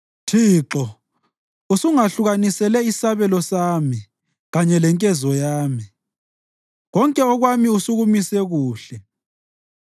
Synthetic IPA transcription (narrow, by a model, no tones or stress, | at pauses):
tʰiːǁɔ | usuŋaɬuɣanisɛlɛisaβɛlɔsaːmi | ɣaɲɛlɛŋkʼɛzɔjaːmi | ɣɔŋkʼɛɔɣwamiusuɣumisɛɣuːɬɛ